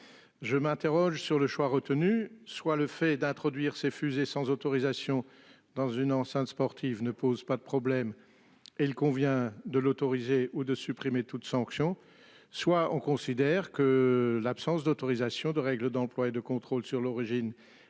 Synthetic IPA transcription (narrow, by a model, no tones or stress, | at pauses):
ʒəmɛ̃t̪eʁɔʒsyʁləʃwaʁət̪ənyswaləfɛd̪ɛ̃t̪χɔd̪ɥiʁsefyzesɑ̃zot̪ɔʁizasjɔ̃ | d̪ɑ̃zynɑ̃sɛ̃t̪spɔʁt̪ʰivnəpozpad̪əpχɔblɛm | eilkɔ̃vjɛ̃d̪əlot̪ɔʁizeʔud̪əsypχimet̪ut̪sɑ̃ksjɔ̃ | swaɔ̰̃kɔ̃sid̪ɛʁkəlapsɑ̃sd̪ot̪ɔʁizasjɔ̃d̪əʁɛɡləd̪ɑ̃plwaed̪əkɔ̃t̪χolsyʁlɔʁiʒin